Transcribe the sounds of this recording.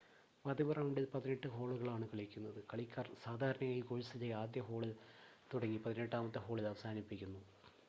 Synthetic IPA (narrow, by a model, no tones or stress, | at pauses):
mɐd̪iʋɐrɐmumɖelpɐðineʈːɨɦo̞ːɭuɣɐɭaːɳɨkɐɭikʲːunːɐðɨkɐɭikʲːaːrsaːd̪ʱaːɾɐɳɐŋːɐikoɻisit͡ɕːɐaːd̪jɐɦo̞ːɭilt̪uɽɐŋːipɐðineʈːaːmɐt̪ːɨɦo̞ːɭilɐʋɐsaːnipːikʲːunːu